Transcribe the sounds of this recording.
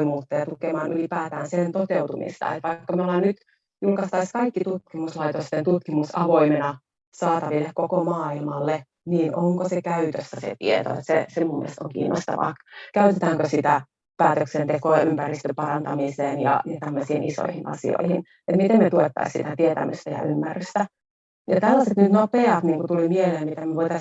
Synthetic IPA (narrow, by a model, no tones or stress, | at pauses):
muːt̪ːejɑt̪ukemɑːnʔylipæːt̪æːnsent̪ot̪eut̪umḭst̪ɑ̰ḛt̪ʋɑikːɑmiolːɑnnyt̪ | julkɑst̪ɑiskɑikːit̪ut̪kimuslɑit̪ost̪ent̪ut̪kimusɑʋoimenɑ | sɑːt̪ɑʋilːekkokomɑːilmɑlːe | niːnʔoŋkosekæyt̪øsːæsḛt̪ḭet̪o̰ḛt̪sḛsemumːḭelst̪oŋkḭːnːo̰st̪ɑ̰ʋɑ̰ːkkæyt̪et̪æːŋkøsit̪æ | pæːt̪øksent̪ekoɑʔympærist̪øpɑrɑnt̪ɑmiseːnjɑ̰jɑt̪æmːøsiːnʔiso̰ihinɑ̰sḭo̰ihin | et̪mit̪emnet̪uet̪ːɑ̰issit̪æt̪iet̪æ̰mø̰st̪æjɑ̰ymːæryst̪æ | jɑt̪ælːɑset̪nyt̪nopeɑt̪niːŋkut̪ulimieleːmit̪emmyeʋoit̪ɑs